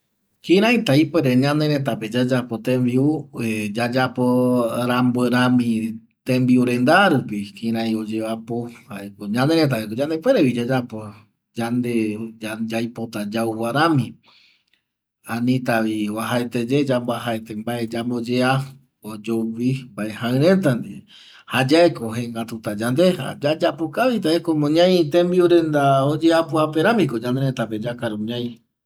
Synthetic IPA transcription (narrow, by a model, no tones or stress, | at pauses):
kĩɾãĩt̪aipeɾeɲãnẽɾet̪̬aped͡ʒad͡ʒapot̪ẽmbiued͡ʒad͡ʒapoɾambeɾamĩ | t̪ẽmbiuɾend̪aɾupikĩɾãj̃od͡ʒeβapohaekoɲãneɾet̪̬aekod͡ʒand̪epweɾeβid͡ʒad͡ʒapo̞ | d͡ʒand̪ed͡ʒajpot̪ad͡ʒauwaɾamĩ | anĩt̪aβiwaɦaet̪ed͡ʒed͡ʒambaɦaet̪e̞mbae̞d͡ʒambod͡ʒea | od͡ʒoβimbaehãɨ̃ɾet̪and̪i | had͡ʒaekoɦẽŋɡat̪ut̪ad͡ʒand̪e̞ha̰d͡ʒad͡ʒapokaβit̪aekomõɲãjt̪ẽmbiuɾend̪aod͡ʒeapuapeɾãmĩko̞ɲãnd̪eɾet̪ape̞d͡ʒakaɾoɲãj̃